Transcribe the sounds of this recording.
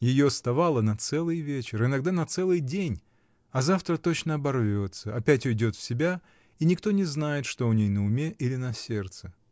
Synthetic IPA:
jɪjost̪ɐvalˠənɐt̪sɛlˠɨjvʲet͡ɕɪɾɨnɐɡd̪anɐt̪sɛlˠɨjdʲenʲ | ɐzaft̪ɾət̪o̞t͡ɕnəɐbɐrvʲo̞t̪səɐpʲætʲʊɪdʲo̞t̪fsʲɪbʲa | inʲɪkt̪o̞nʲɪznajɪt̪ʂt̪o̞ʊnʲejnəʊmʲeʔilʲɪnɐsʲe̞rt̪sɨ

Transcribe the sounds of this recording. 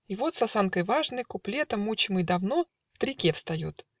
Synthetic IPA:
ivo̞t̪sɐsankəjvaʐnəjkʊplʲet̪əmːut͡ɕɪmɨjd̪ɐvno | ft̪ɾʲɪkʲeɛfst̪ɐjut̪

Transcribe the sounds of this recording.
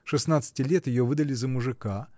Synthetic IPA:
ʂɨsnat̪sɨ̥tʲɪlʲet̪jɪjovɨd̪əlʲɪzəmʊʐɨka

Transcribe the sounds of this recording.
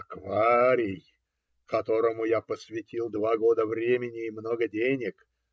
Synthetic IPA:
ɐkvaɾʲɪj | kɐt̪o̞ɾəmʊjapəsvʲɪtʲilˠd̪vaɡo̞d̪əvɾʲemʲɪnʲɪːmno̞ɡədʲenʲɪk

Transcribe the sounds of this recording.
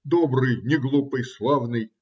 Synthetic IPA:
d̪obɾɨjnʲɪɡlˠupɨjslˠavnɨj

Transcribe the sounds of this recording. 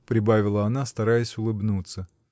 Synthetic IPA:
pɾʲɪbavʲɪlˠəɐnast̪ɐɾajɪsʲʊlˠɨbnut̪sə

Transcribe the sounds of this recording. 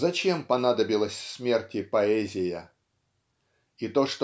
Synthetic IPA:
zɐt͡ɕe̞mpɐnad̪əbʲɪlˠəsʲsmʲe̞rtʲɪpɐɛzʲɪjə | it̪o̞ʂt̪

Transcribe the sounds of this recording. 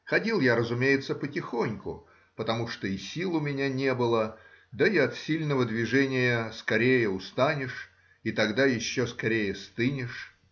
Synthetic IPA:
xɐdʲilˠjaɾəzʊmʲejɪt̪səpətʲɪxonʲkʊ | pət̪ɐmuʂt̪oisʲilˠʊmʲɪnʲanʲe̞bɨlˠə | d̪aiɐt̪sʲilʲnəvəd̪vʲɪʐɛnʲɪjəskɐɾʲejəʊst̪anʲɪʂ | it̪ɐɡd̪ajɪɕːoskɐɾʲejəst̪ɨnʲɪʂ

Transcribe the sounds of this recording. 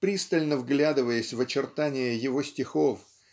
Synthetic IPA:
pɾʲist̪əlʲnəvɡlʲad̪ɨvəjəsʲvət͡ɕɪrt̪anʲɪjəjɪvo̞sʲtʲɪxo̞f

